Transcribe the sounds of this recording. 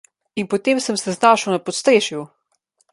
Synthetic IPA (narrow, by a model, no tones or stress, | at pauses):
inpɔt̪eːmsəmsɛznaːʃəwnapɔt̪st̪ɾeːʃju